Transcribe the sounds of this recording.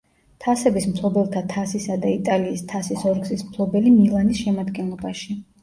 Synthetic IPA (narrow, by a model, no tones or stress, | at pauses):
t̪ʰasɛbismpʰlˠɔbɛlˠt̪ʰat̪ʰasisad̪ait̪ʼaliːst̪ʰasisɔɾɡsismpʰlˠɔbɛlimilˠanisʃɛmad̪ɡɛnlˠɔbaʃi